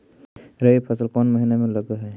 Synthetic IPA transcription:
ɾəipʰʌsəlkɔnməɦinameləɡeɦɛ

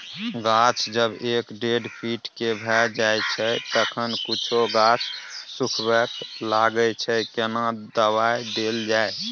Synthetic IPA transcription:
ɡat͡ʃʰd͡ʒəbekɖeɖpʰiʈkebʱɛd͡ʒajt͡ʃʰɛt̪əkʰənkut͡ʃʰoɡat͡ʃʰsukʰbɛklaɡət͡ʃʰɛkenad̪əβajd̪eld͡ʒae

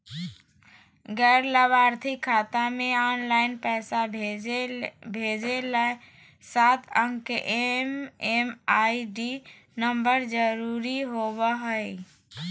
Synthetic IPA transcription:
ɡɛɾləbaɾt̪ʰikʰːat̪ameanlaɪnpɛɪsa | bʱed͡ʒelɛ | sat̪ʰəŋɡkeʔememaiɖi | nəmbəɾd͡ʒəɾuɾiɦobəɦəi

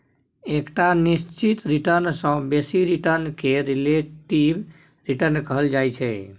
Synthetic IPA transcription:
ekʈanist͡ʃit̪ɾiʈəɾnsə̃besiɾiʈəɾnkeɾileʈib | ɾiʈəɾnkəɦəld͡ʒajt͡ʃʰɛ

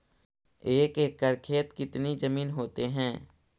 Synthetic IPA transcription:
eːkeːkːəɾkʰeːt̪kɪt̪nid͡ʒəmiːnɦoːt̪eɦɛ̃ː

